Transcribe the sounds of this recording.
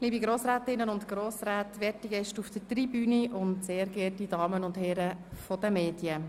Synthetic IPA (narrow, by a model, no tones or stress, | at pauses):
liːbiɡɾoːsɾæːtɪnːənʊntɡɾoːsɾæːtʋɛːtiɡɛʃtufd̥ətribyːniʔʊntseːɾɡɛːtidɑːmənʊndhɛːɾəfɔd̥əmeːdjə